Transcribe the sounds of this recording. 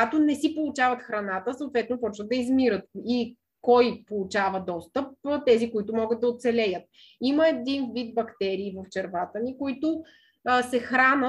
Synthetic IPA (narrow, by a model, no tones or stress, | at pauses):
at̪onɛsipolˠʊt͡ʃavət̪xɾɐnat̪əsəot̪vɛt̪nopɔt͡ʃvət̪̚d̪ɐizmiɾət̪i | kɔjpolˠut͡ʃavəd̪ɔst̪əp̚t̪ɛzikoit̪ʊmɔɡət̪̚d̪ɐot̪sɛlɛjət̪̚ | iməɛd̪invid̪̚bɐkt̪ɛɾiːvəft͡ʃɛɾvat̪ənikoit̪ʊ | sɛxɾanə